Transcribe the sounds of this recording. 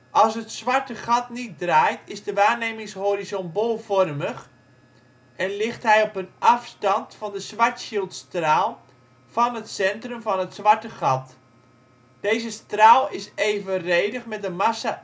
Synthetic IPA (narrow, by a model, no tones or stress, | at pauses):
ʔɑlˠsɦətsʋaɹtəχɑtnit̚draːjtʰɪzdəʋaːɹneːmɪŋshoɾizɔnbolˠfɔrməx | ɛnlɪxtɦɛjɔpənʔɑfstɑntfɑndəsʋaɹtʃilˠtstraːlˠ | fɑnətsɛntrəmvɔnətsʋaɹtəχɑt | d̥eːjzəstraːlˠɪseːvərejdəχmɛtənmasa